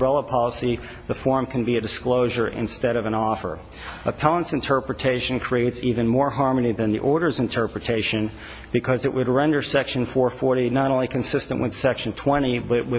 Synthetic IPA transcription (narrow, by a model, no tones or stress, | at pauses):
ɛlˠəpʰɑlˠəsi | ðəfɔɹmkʰɨ̃n̩biɨdɨskloʊʒə˞ʔɪ̰̃nstɛɾʌvɨ̃nɔfə̰˞ | əpʰælˠə̃nsɨ̃ntʰɜ˞pɹɨtʰeɪʃɨ̃n̩kʰɹ̥ieɪtsivɨ̃nmɔɹɦɑɹmɨniðɨ̃nðḭʔɔɹɾə˞zɨ̃ntʰɜ˞pɹɨtʰeɪʃɨ̃n | b̥ɨkʰʌzɨʔwʔɨd̚ɹɛ̃ndə˞sɛkʃɨ̃nfɔɹfɔɹɾinəɾõʊ̃nlikʰɨ̃n̩sɪstɨ̰̃nʔwɨð̥sɛkʃɨ̃n̩tʰw̥ɛ̃ɾ̃ibʌʔ̚wɨ